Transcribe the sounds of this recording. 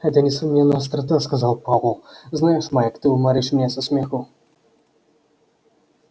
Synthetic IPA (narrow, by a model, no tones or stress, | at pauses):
ɣɛt̪ɐnʲɛsumnʲɛnːɐjɐst̪ɾat̪askazawpavlˠznajɛʂmajɐkt̪ɨumaɾɨʂmnʲɛsɐsʲmʲɛxu